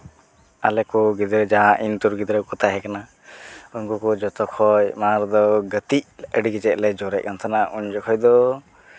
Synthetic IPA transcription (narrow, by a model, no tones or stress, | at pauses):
a̰lɛkuɡid̪ɾəd͡ʒaʔint̪uɾɡid̪ɾəkɔt̪aɦɛkana | uɲkukɔd͡ʒɔt̪ɔkʰɔjmaɾd̪ɔɡət̪icəɖiɡit͡ʃɛʔ̚lɛd͡ʒɔɾɛc̚kant̪ʰanaʔuɲd͡ʒɔkʰɔjd̪ɔ